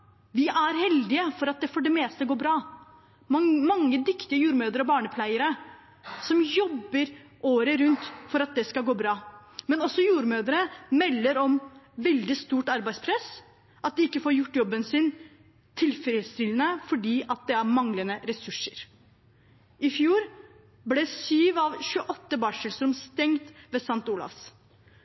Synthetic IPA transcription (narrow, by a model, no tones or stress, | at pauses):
ʋɪʔæɾhɛld̪ɪəfɔɾɑt̪̚d̪ɛfɔɖɛmeːst̪əɡoːbɾɑː | mɑŋːəd̪ʏkt̪ɪəjuːɾmøːd̪əɾɔbɑːɳəpʰlæɪəɾə | sɔmjɔbːəɾʔoːɾəɾʉnt̪fɔɾɑt̪̚d̪ɛskɑɡoːbɾɑːmɛnɔsɔjuːɾmøːd̪əɾəmɛlːəɾɔmʋɛld̪ɪst̪uːʈɑɾbæɪspʰɾɛs | ʔɑt̪̚d̪ɪɪkːəfoːɾjʊʈːjɔbːənsɪn | t̪ʰɪlfɾɪst̪ɪlənəfɔɖiːʔɑt̪̚d̪ɛæɾmɑŋlənəɾɛsʉʂːəɾ | ɪfjuːɾ | blɛsyːʋɑʋɕʉəʔɔt̪ːəbɑːʂɛlsɾʉmst̪ɛŋt̪ʋɛsɑnt̪uːlɑ̰fs